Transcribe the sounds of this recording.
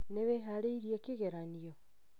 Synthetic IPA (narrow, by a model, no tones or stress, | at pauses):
neβeɦaɾeiɾiekeɣeɾanio